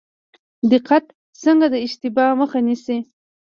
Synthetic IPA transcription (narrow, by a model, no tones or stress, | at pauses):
d̪ɪqat̪ | səŋɡad̪əɪʃt̪ɪbɑməxanisi